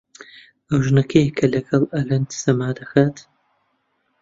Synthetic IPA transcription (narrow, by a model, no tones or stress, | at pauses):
ʔɐwʒnɐkʰɐjkʰɐlɐɡɐlˠɐlɐnd̪sɐmaːd̪ɐxʰaːt̪